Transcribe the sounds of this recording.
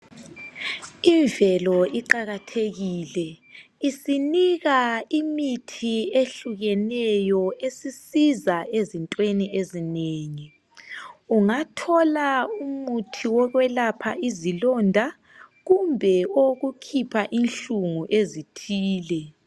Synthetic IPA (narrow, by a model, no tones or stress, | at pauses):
iɱvɛlɔiǃaɣatʰeɣilɛisiniɣaimitʰieɬuɣɛnɛjɔesisizaezintʼweniezineːŋi | uŋatʰɔlaumutʰiwɔɣwɛlapʰaizilɔndʱa | ɣumbʱɛoɣukʰipʰaʔinɬuŋuʔezitʰiːlɛ